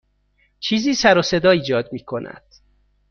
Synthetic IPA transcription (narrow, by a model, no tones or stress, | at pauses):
t͡ʃʰiːziːsæɾose̞d̪ɒːiːd͡ʒɒːd̪miːkʰo̞nʔæ̰d̪̥